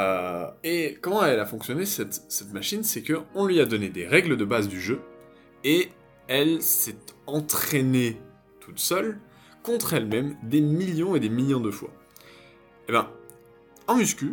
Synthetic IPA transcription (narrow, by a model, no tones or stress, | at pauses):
øekɔmɑ̃ɛlafɔ̃ksjɔnesɛt̪sɛt̪maʃinsɛkəɔ̃lɥiad̪ɔned̪eʁɛɡləd̪əbazd̪yʒø | e | ɛlsɛt̪ɑ̃t̪χene | t̪ʰut̪sœl | kɔ̃t̪χɛlmɛmd̪emiljɔ̃ed̪emiljɔ̃d̪əfwa̰ | ebjɛ̃ | ɑ̃myskʲy